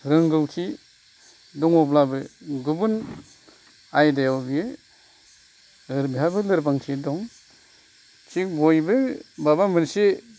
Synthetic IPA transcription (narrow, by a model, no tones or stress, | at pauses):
ɾɯŋɡɯwkʰi | dɔŋɔblabɯɡubun | ajdajawbie | ɯɾbiɦabɯlɯɾbaŋkʰidɔŋ | kʰikbojbɯbabamɯnse